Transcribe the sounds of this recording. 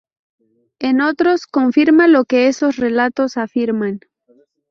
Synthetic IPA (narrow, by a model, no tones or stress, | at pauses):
e̞no̞t̪ɾo̞sko̞ɱfiɾmalo̞ke̞eso̞sre̞lat̪o̞safiɾman